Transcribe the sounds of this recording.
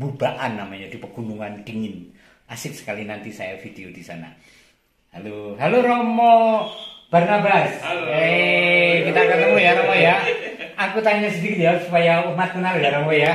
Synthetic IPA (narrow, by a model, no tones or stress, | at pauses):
bubaʔanːamaɲad̥ipərɡ̥unuŋand̪̥iŋɪn | ʔasɪk̚sə̥kalinant̪isa̰jafid̥eod̥isa̰na̰ | haloɦaloɾomɔ | b̥arnabase | kit̪akət̪əmujaɾɔmɔjaakut̪aɲasədikɪt̪jasupajamat̪kənaljaɾɔmɔja